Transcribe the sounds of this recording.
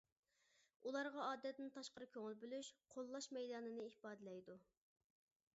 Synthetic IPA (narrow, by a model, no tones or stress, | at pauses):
ulˠɑɾʁɑɑːd̪ɛt̪nɪnt̪ʰɑʃqəɾɨkʲʰøŋɪlbølyʃqʰolˠːɑʃmɛjd̪ɑːnɨnɨihpɑːd̪ɨlɛjd̪u